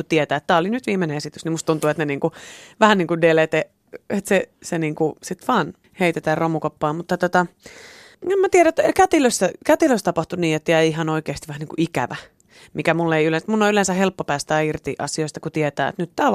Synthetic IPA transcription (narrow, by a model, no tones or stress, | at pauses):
ut̪iet̪æːet̪t̪æːolinyt̪ʋiːmenẽesit̪ysnimust̪unt̪uet̪neniːŋkuʋæhænniːŋkudelet̪e | et̪seseniːŋkusit̪ʋɑːn | heit̪et̪ærromukopːɑːmut̪ːɑt̪ot̪ɑ | emːæt̪ieɾæt̪ːkæt̪iløst̪ækæt̪iløst̪ɑpɑht̪uniːet̪ːeæiɦɑnoikeːst̪iʋæhæniːŋkuʔikæ̰ʋæ | mikæmulːeiylensmunːoylensæhelpːopæːst̪æːirt̪ḭʔɑ̰sioist̪ɑ̥kut̪iet̪æ̰ːḛt̪nyt̪t̪æː